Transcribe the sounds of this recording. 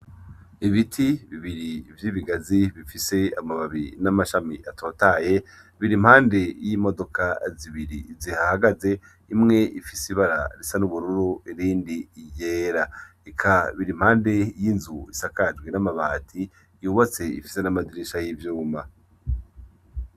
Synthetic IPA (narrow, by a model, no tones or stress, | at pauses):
iβitʰiβiβiɾivjiβiɡaziβifise̞amaβaβinamaʃamiʔatʰo̞ːtaje̞ | βiɾim̥haːnde̞jimo̞do̞kaziβiɾḭzihahaɡaze̞ | imŋe̞ʔifisiβaɾa̰ɾisanuβuɾuɾuiɾiːndiijeːɾa | ekʰaβiɾim̥haːnde̞jinzuisakad͡ʒɡwinamaβaːtʰi | juβat͡se̞ḭfi̥se̞namadiɾiʃajivjuːma